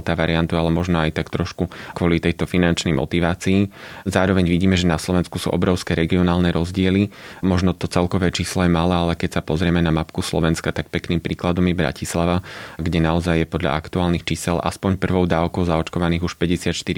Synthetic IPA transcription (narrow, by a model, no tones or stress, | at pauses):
lt̪aːʋaɾiant̪ualɛmɔʒnɔajt̪akt̪ɾɔʃkukʋɔlit̪ɛjt̪ɔfinant͡ʃnɛjmɔ̰t̪iʋaːt͡siizaːɾɔʋɛɲʋiɟiːmɛʒɛnaslɔʋɛnskusṵʔɔ̰bɾɔʊskɛːɾɛɡiɔnaːlnɛɾɔzɟɪɛlimɔʒnɔt̪ɔt͡sɛlkɔʋɛːt͡ʃiːslɔjɛmalaːalɛkɛcsapɔzɾɪɛmɛnamapkuslɔ̰ʋɛnskat̪ak̚pɛkniːmpɾiːklad̪ɔmjɛbɾa̰cislaʋaɡɟɛnaɔzajjɛpɔd̪ʎa̰ʔakt̪uaːlnixt͡ʃiːsɛlʔa̰spɔɲpr̩ʋɔʊd̪aːʊkɔʊzaɔt͡ʃkɔʋaniːɣuʃpɛɟɛsɪat̪ʃt̪iɾi